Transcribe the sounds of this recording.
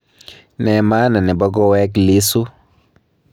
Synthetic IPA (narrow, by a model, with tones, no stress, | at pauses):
nɛ˨ma˦na˨nɛ˨bɔ˦ɡɔ˦wɛ˦kli˦su˦